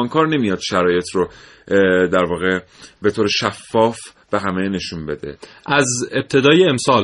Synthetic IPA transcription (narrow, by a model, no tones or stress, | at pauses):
ɒŋkʰɒːɾne̞mijɒd̪̥ʃæɾɒːje̞t̪ʰro | d̪æɾvɒːɣe | be̞t̪ʰoːɾeʃæfːɒːf | b̥e̞ɦæme̞ne̞ʃunbe̞d̪ḛ | ʔæzeb̚t̪ʰe̞d̪ɒːjeːmsɒːl